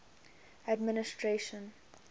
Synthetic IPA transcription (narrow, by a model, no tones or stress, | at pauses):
admɪnɪstʰɹeʃə̃n